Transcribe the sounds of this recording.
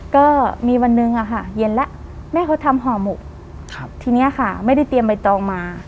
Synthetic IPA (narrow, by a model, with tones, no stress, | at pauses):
kɔː˥˩miː˧wa˧nːɯ˧ŋʔa˨˩kʰa˥˩je˧˦nlɛ˦˥ʔmɛː˥˩kʰa˦˥wt̪ʰa˧mɦɔː˨˩mu˨˩k̚ʰ | t̪ʰiː˧ni˦˥ɐ˨kʰa˥˩ma˥˩jda˥˩jt̪i˧əmpa˧jt̪ɔː˧ŋmaː˧